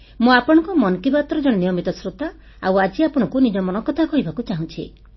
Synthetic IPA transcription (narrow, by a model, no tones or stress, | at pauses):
muapɔɽ̃ɔ̃ŋkɔmɔnkibat̪ɾɔd͡ʒɔɽ̃ɔnijɔmit̪ɔsɾut̪a | a̰wad͡ʒiapɔɽ̃ɔ̃ŋkunid͡ʒɔmɔnɔkɔt̪ʰakɔɦibakut͡ʃaɦũt͡ʃʰḭ